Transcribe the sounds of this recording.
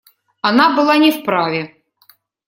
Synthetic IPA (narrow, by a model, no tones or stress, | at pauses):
ɐnabɨlˠanʲɪfpɾavʲɛ